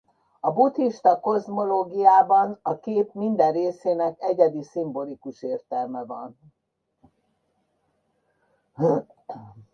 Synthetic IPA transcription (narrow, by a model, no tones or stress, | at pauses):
ɒbut̪hiʃt̪ɒko̞zmo̞loːɡijaːbɒnɒkeːpmind̪ɛrreːseːnɛkɛɟɛd̪isimbo̞likuʃeːrt̪ɛlmɛvɒn